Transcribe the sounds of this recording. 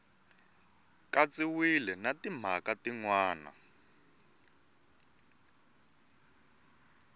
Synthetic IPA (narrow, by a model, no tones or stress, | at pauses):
kat͡siwilɛnatim̤akatiŋwaːna̰